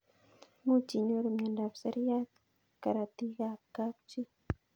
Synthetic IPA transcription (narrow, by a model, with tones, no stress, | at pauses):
mu˦t͡ʃi˨ɲo˦ɾo˨mɲa˨nda˨bsa˦ɾi˦ja˦t̪ | ka˨ɾa˨t̪i˦ɣa˦ka˦kt͡ʃi˦